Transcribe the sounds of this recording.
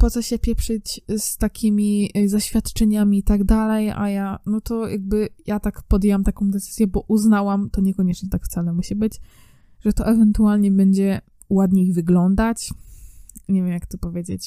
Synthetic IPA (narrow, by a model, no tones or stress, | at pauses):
pɔt̪sɔɕɛpʲjɛpʂɘt͡ɕst̪akʲimʲizaɕfʲjat̪t͡ʂɛɲamʲiːt̪aɡd̪alɛja̰janɔt̪ɔjaɡ̚bɘjat̪akpɔd̪jewamt̪akɔ̃w̃d̪ɛt̪sɘ̥zʲjɛbɔʔuznawamt̪ɔɲɛkɔɲɛt͡ʂɲɛt̪akft̪salɛmuɕibɘd͡ʑ | ʐɛt̪ɔʔɛvɛnt̪ualɲɛbɛɲd͡ʑɛ | wad̪ɲeiɣvɘɡlɔnd̪at͡ɕ | ɲɛvʲjɛmjakt̪ɔpɔvʲjed͡ʑet͡ɕ